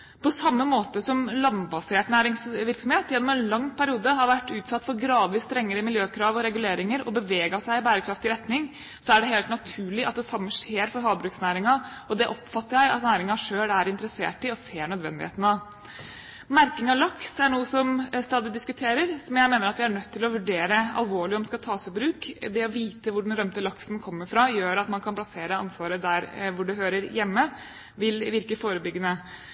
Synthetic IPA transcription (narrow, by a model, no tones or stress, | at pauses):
pʰɔsɑmːəmoːt̪əsɔmlɑmbɑseːʈnæːɾɪŋsʋɪɾksɔmheːt̪jɛnːɔmɛːnlɑŋːpʰæɾɪuːd̪əɦɑɾʋæʈːʉːt̪sɑt̪ːfɔɾɡɾɑːd̪ʋiːst̪ɾɛŋːəɾəmɪljøːkʰɾɑːʋɔɾɛɡʉleːɾɪŋəɾɔ̰bəʋeːɡɑsæɪɪbæːɾəkʰɾɑft̪ɪɾɛt̪nɪŋ | sɔæɖɛɦeːlt̪nɑt̪ʰʉːɭɪʔɑ̰t̪̚d̪ɛsɑmːəʂeːɾfɔɾɦɑːbɾʉːksnæːɾɪŋɑɔd̪ɛʔɔpfɑt̪ːəɾjæɾɑ̰t̪næːɾɪŋɑʂøːlæɾɪnt̪əɾəsḛːʈɪɔseːɳœd̪ʋɛ̰nd̪ɪhḛːt̪nɑ | mæɾkɪŋɑʋlɑksæɳuːəsɔmst̪ɑːd̪ɪd̪ɪskʉt̪ʰeːɾəɾsɔmjæɪmeːnəɾɑt̪ʋɪæɳœt̪ʰːɪlɔʋʉɖeːɾəɑ̰lʋoːɭɪɔmd̪ɛskɑt̪ʰɑːsɪbɾʉːkd̪ɛɔʋiːt̪əʋʊɖɛnɾœmt̪əlɑksnkʰɔmːəɾfɾɑjøːɾɑt̪mɑnkʰɑnpʰlɑseːɾəɑ̰nsʋɑːɾəd̪æɾʋʊɖʉɦøːɾəɾjɛmːə | ʋɪlʋɪɾkəfoːɾəbʏɡːənə